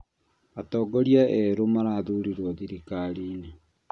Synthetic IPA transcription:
atɔːɡɔɾiaʔɛɾomaɾaðuɾiɾɔðiɾikaɾiːne

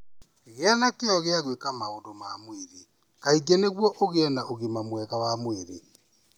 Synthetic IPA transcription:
ɣeanakeɔɣeaɣwekamaondomaːmweɾe | kaiɡeneɣwɔʔoɣeɛnaʔoɣemamwɛɣawamweɾḛ

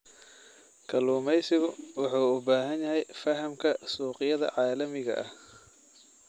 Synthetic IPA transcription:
kʰɐluːmɛjsɪɣʊwɑħuːʊbaːɦɐnjɐɦɛjfɐɦɐmkʰɐsuːqɪjɐðɐ̰ʕɑːlɐmɪɣɐ̰ʔɐ̰h

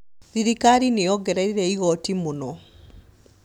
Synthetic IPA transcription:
ðiɾikaɾineɔɡɛɾɛɾiɾɛiɣɔtimunɔ

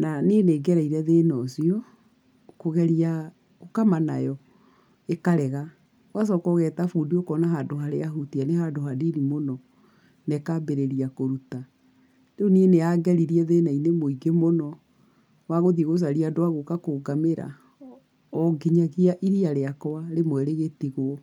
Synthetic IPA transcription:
naneneːɡɛɾaiɾɛðenɔsiɔ | koɣɛɾia | ɣokamana̰jɔ | ekaɾɛɣa | was̬ɔkɔɣɛtafuːndiokɔnaɦadoɦaɾeaɦutianehadoɦadiɾimonɔ | nekabeɾeɾiakoɾuta | deonieneaɡɛɾiɾiɛðenainemoiɡemonɔ | waɣoðieɣos̬aɾiadoaɣokakoɡameɾa̰ | ɔɡiɲaɣiaʔiɾiaɾeakɔwaɾemwɛɾeɣetiɣwɔ

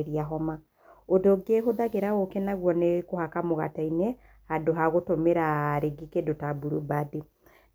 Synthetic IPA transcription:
ɾiaɦɔma | odoɡeɦoðaɣeɾaɣokɛnaɣwɔnekohakamoɣa̰tainɛ | hadoɦaɣotomeɾaɾeɡikedotabuɾubade

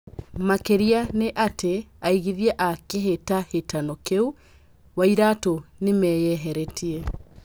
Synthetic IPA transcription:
makeɾianeʔateaiɣiðiɛʔakeɦetahetanɔkeu | waiɾatonemɛːjɛɦɛɾɛtʰiɛ

